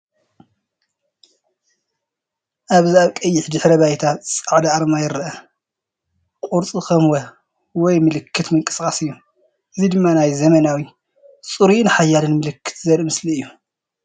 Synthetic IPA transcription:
ʔaβziaβkʼɐjːɪħd̪ɨħɾɐβajt̪ʰasʼaʕd̪aaɾmajɪɾɐʔɐ | kʼuɾt͡sʼikɐmwɐ | wɔjmɨlɨkʰːɨt̪mɨŋkʼɨ̥skʼasɨjːu | ʔɨzid̪ɨmːanajzɐmɐnawi | sʼuɾinɨħajːalɨnmɨlɨkːɨ̥t̪zɐɾɨmɨsliɨjːu

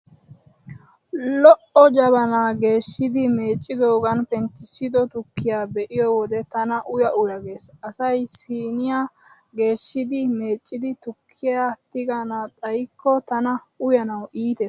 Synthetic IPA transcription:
lɔʔɔd͡ʒɐβɐnaːɡe̞ːʃːɪd̪ɪme̞ːt͡ʃʼːɪd̪o̞ːɡɐnpɛnt̪ːɪʃɪd̪ɔt̪ʊkʰːɪjaːbɛʔɪjɔwɔd̪ɛt̪ɐnɐʔʊjɐʔʊjɐɡe̞ːsʔɐsɐjsiːnɪja | ɡe̞ːʃːɪd̪ɪme̞ːt͡ʃʼːɪd̪ɪt̪ʊkʰːɪjaːt̪ːɪɡanaːt̪ʼɐjkʰːɔt̪ɐnɐ | ʊjɐnɐwiːt̪e

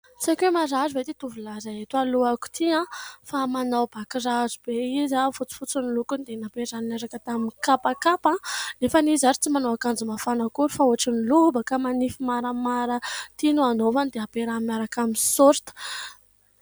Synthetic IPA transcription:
t͡sakemaɾazuvet̪it̪uvulazaet̪aluaku̥t̪ʰiãfamanawb̥akrazubeizafut͡si̥fut͡sunilukunid̪enapeɾaninaɾakət̪aminkapakapãnefanizaɾi̥t͡simanoakand͡zumafanakuɾufaoaʈ͡ʂinilubəkamanifimaɾamaɾət̪inuanovand̪eapeɾamiaɾakaminsoɾt̪ə̥

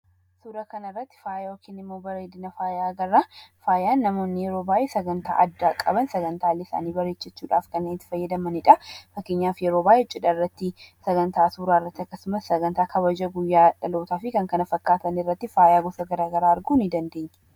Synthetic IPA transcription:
suːɾɐkɐnɐrːɐt̪ːɪ̥faːjawɔkːinɪmːoːbɐɾeːd̪ɪnɐfaːjaːɡɐrːafaːjaːnːɐmo̞ːnːɪjɛɾo̞ːbaːʔesɐɡɐnt̪a̰ːʔɐd̪ːaːkʼɐbɐnsɐɡɐnt̪aːlːɪɪsa̰ːniːbɐɾet͡ʃːɐt͡ʃːuːᶑa̰ːfkɐnːeːnɪt̪ːɪ̥fɐjːɐd̪ɐmɐnɪᶑɐfɐkːɪɲːaːfjɛɾoːbaːjɛt͡ʃʼɪᶑɐrːɐt̪ːɪsɐɡɐnt̪aːsuːɾaːrːɐt̪ːɪɐkːɐsʊmɐsːɐɡɐnt̪aːkʰɐbɐd͡ʒɐɡʊjːaːᶑɐlo̞ːt̪aːfɪkɐŋkɐnɐfɐkːaːt̪ɐnɪrːɐt̪ːɪfaːjaːɡɔsɐɡɐɾaːɡɐɾaːɐɾɡunɪd̪ɐnd̪e̞ːɲː

